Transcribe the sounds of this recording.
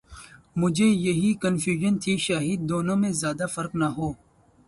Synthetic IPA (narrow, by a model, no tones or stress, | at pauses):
mʊd͡ʒʱejɐɦikɐnfjuːʒənt̪ʰiʃaːɦiːd̪̚ːoːnõmẽzjaːd̪afɐɾknaɦoː